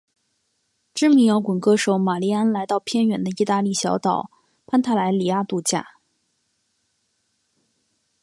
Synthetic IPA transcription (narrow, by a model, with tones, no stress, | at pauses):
ʈ͡ʂɻ̩˥mi˧˥ŋjɑ˧˥ʊkwə˨˩nkɤ˥ʂo˧˩˦ʊma˨˩li˥˩a˥nla˧˥ɪt̪ɑ˥˧ʊpʰjɛ˥nɥɛ˧˥nd̪ə˧i˥˧t̪a˥˧li˥˩ɕjɑ˧˥ʊt̪ɑ˨˩˦ʊ | pʰa˥nt̪ʰa˥˩la˧˥ɪli˨˩a˥t̪u˥˧t͡ɕja̰˥˩